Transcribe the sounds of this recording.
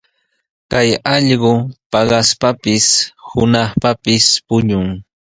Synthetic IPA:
kajɑʎɢopɑɢɑspapɪshʊnɑχpapɪspʊɲʊŋ

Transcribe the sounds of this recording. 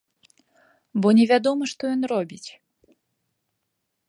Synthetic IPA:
bɔnʲɛvʲad̪ɔmɨʂt̪ɔjɔnrɔbʲit͡sʲ

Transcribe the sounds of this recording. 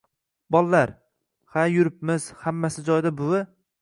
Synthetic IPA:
bɒlˠːaɾ | hajʊɾɪp̚mɪz̥hamːasɪd͡ʒɒjd̪abʊwɪ

